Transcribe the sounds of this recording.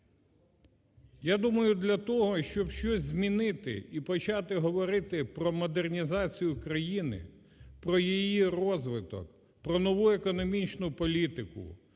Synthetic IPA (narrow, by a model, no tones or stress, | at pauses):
jad̪umɐjʊd̪lʲɐt̪ɔɦɔʃt͡ʃɔbʃt͡ʃɔzʲzʲmʲinɪt̪ɪ̰ipɔt͡ʃɑt̪ɪɦɔʋɔɾɪt̪ɪpɾɔmɔd̪ernʲizɑt͡sʲijʊkɾɐjinɪ̰ | pɾɔjijirɔzʋɪt̪ɔ̰k | pɾɔnɔʋuekɔnɔmʲit͡ʃnʊpɔlʲit̪ɪkʊ̰